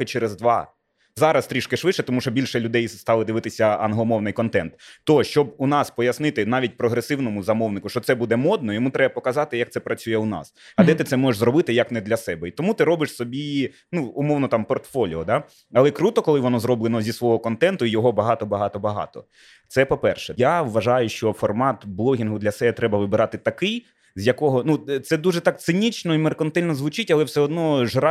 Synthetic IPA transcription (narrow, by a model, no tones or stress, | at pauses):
ɪt͡ʃɛɾezd̪ʋɑ | zɑɾɐst̪ɾʲiʃkɪʃʋɪʃɛt̪ɔmuʃɔbʲilʲʃɛlʲʊd̪ɛjst̪ɑlˠɪd̪ɪʋɪt̪ɪsʲɐɐnɦlˠɔmɔwnɪjkɔnt̪ɛnt̪t̪ːɔʃt͡ʃɔbunɑspɔjɐsnɪt̪ɪnɑʋʲit̚ʲpɾɔɦɾesɪwnɔmʊzɐmɔwnɪkʊʃt͡ʃɔt̪sɛbud̪ɛmɔd̪nɔjɔmut̪ɾɛbɐpɔkɐzɑt̪ɪjɐk̚t̪sɛpɾɐt͡sʲujɛunɑ̰sɐd̪ɛt̪ɪt̪sɛmɔʒeʂzɾɔbɪt̪ɪjɐknɛd̪lʲɐsɛbɛit̪ɔmut̪ɪɾɔbɪʂsɔbʲi | nuːmɔwnɔt̪ɑmpɔrt̪fɔlʲiɔd̪a | ɐlˠɛkɾut̪ɔkɔlˠɪʋɔnɔzɾɔblˠenɔzʲisʋɔɦɔkɔnt̪ɛnt̪ʊijɔɦɔbɐɦɑt̪ɔbɐɦɑt̪ɔbɐɦɑ̰t̪ɔ | t̪sɛpɔpɛrʃɛjawʋɐʒɑjʊʃt͡ʃɔfɔrmɑt̪blˠɔɦʲinɦʊd̪lʲɐsɛbɛt̪ɾɛbɐʋɪbɪɾɑt̪ɪt̪ɐkɪj | zʲjɐkɔɦɔnut̪sɛd̪uʒɛt̪ɑkt̪sɪnʲit͡ʃnɔimerkɐnt̪ɛlʲnɔzʋʊt͡ʃɪtʲɐlˠɛwsɛɔd̪nɔʒɾɑ